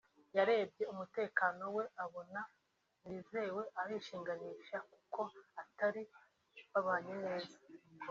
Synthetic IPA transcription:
jaɾe̞ːbɟe̞umute̞ːkaːno̞we̞ʔaβo̞na | nize̞we̞ʔaɾiːʃiːŋɡaniːʃaku̥ko̞ataɾi | βaβaːɲine̞ːza

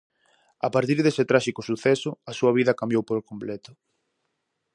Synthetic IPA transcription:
apaɾt̪iɾðesɪt̪ɾaʃikʊsuθɛsʊɐsuɐβ̞iðɐkambjowpolkomplɛt̪ʊ̥

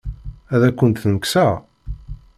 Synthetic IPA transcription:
æðækʷːənt̪θnəksæ

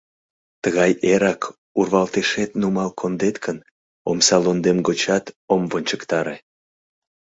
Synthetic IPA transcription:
t̪əɣɑjeɾɑk | urβɑlt̪eʃet̪numɑlkʰond̪et̪kʰən | o̰msɑlond̪emɡot͡ɕɑt̪omvonʲt͡ɕəkt̪ɑɾe

